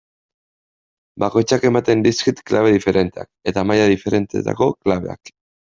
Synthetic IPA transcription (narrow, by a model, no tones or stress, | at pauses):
bako̞jt͡ʃake̞mat̪e̞nd̪iskit̪klaβe̞ðife̞ɾʔe̞nt̪e̞a̰ke̞t̪amajaðife̞ɾe̞nt̪e̞̰t̪a̰ko̞klaβ̞e̞a̰k